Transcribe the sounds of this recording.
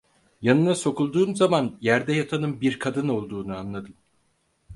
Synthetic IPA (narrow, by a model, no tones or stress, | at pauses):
janɯnaso̞kulˠd̪uːmzamanjæɾd̪ɛjat̪ʰanɯmbiɾkʰad̪ɯno̞lˠd̪uːnuanlˠad̪ɯm